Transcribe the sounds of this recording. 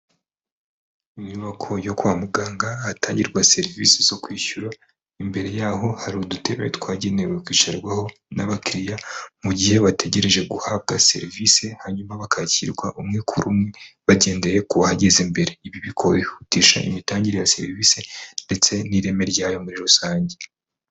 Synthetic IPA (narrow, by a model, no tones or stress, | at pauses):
iɲɲuβakʰo̞jo̞kwaːmuɡaːŋɡaːtaːɲɟiɾɡwase̞ɾivḭsez̥o̞kwiːçuɾa | imbe̞ɾe̞jaːɦo̞haɾiudutʰe̞βḛtwaːɟe̞ne̞wekwiːt͡ʃaɾɡwaho̞ | naβakiɾijamuɟihe̞βatʰe̞ɟe̞ɾe̞ʒe̞ɡuhab̚ɡase̞̰ɾvise̞haɲumaβakʰaciɾɡwaʔumŋekʰuɾumŋeβaɟe̞ːnde̞jekuβahaɟe̞zembe̞ɾe̞iβiβikʰo̞ɾehutiːʃa̰ʔḭmitaːɲɟiɾejase̞̰ɾiviːse̞nde̞t͡seniɾe̞me̞ɾɟaːjo̞muɾiɾusaːɲɟe